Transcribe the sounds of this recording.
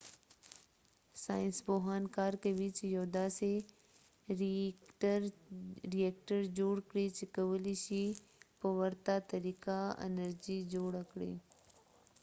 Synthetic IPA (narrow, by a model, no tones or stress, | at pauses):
sa̰ːɪ̃nsboːɦaːnkaːɾkeʋɪt͡ʃjɔːd̪ase | ɾʈəɾɾijeːk̚ʈəɾd͡ʒoːɽkɽit͡ʃɪkəʋliʃipəʋəɾt̪at̪əɾiːkaɪ̰nəɾd͡ʒid͡ʒoːɽəkɽḭː